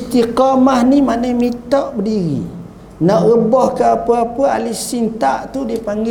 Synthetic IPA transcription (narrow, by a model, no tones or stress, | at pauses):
st̪iqɔmahnimanajmit̪ɔʔbədiɣḭ | nɔʔɣəbɔhkəapəapəalihsint̪aʔt̪udiəpaŋɡɪ